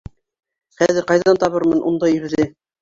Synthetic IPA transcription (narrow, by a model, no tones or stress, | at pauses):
χæzɘɾqɑjðɑnt̪ɑβɤɾmɤnʔund̪ɑjɵ̆ɾ̆ɾɘ